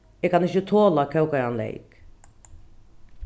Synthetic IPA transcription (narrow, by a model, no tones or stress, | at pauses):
ɛkʰanɪçət̪ʰoːlakʰɛwkaɾanlɛ̰ɪk